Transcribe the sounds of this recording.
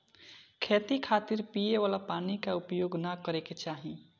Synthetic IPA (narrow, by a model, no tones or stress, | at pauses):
kʰeːt̪ikʰaːt̪iɾpijeʋaːlapaːnikaʊpjoːɡnakəɾeket͡ʃaːɦi